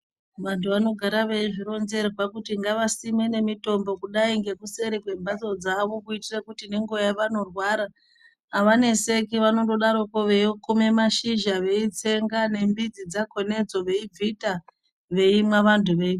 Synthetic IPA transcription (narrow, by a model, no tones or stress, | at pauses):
ʋantʰuʋano̞ɡʱaɾaʋe̞iʐiro̞nze̞ɾopakutiŋɡaʋasime̞ne̞mito̞mbo̞kuɗaiŋɡe̞kuse̞ɾekwe̞mbat͡sod͡zaʋo̞kuitirekutineŋɡo̞jaʋano̞rwaɾaː | ʋane̞se̞kiʋano̞doɗaɾo̞koʋeokume̞maʃiʒaʋe̞it͡se̞ŋɡane̞mbid͡zid͡zako̞ne̞d͡zo̞ʋe̞ib͡vʱita | ʋe̞imwaʋantʰuʋe̞i